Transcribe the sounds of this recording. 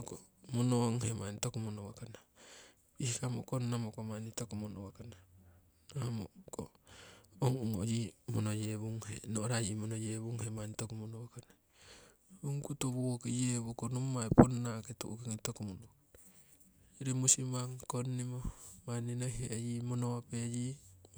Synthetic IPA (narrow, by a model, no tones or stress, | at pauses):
ko | monoŋhemanitokumonowakana | ihikamokonːamokomanitokumonowakana | nohamo̰ko̰ | oŋuŋojimonojeβuŋhḛnoɾajimonojeβuŋhemanitokumonoakana | uŋkutoβuokijeβokonumːaeponːaketuʔukiŋitokumonoa | ɾemusimaŋkonːimomaninojɦejimonowaped͡ʒi